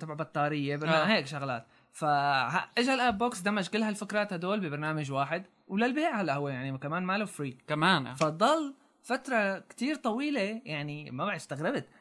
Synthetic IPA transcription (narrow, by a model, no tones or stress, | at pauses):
t̪ɑbʕbɑt̪ˤːɑːɾɪjːebɾaheːkʃaɣlaːt̪ | fahaʔɪʒalʔab̚boːksd̪amad͡ʒkɪlːhalfakɾˤɑːt̪had̪oːlbɪbɑɾˤnaːmad͡ʒwaːħɪd̪ | wlalbeːʕhalːaʔhʊwːejaʕnikamaːnmaːluwfɾiːkamaːnfɑd̪ˤːɑl | fat̪ɾˤɑkt̪iːɾt̪ˤɑwiːlejaʕnimabaʕd̪ɪst̪aɣɾɪbɪt̪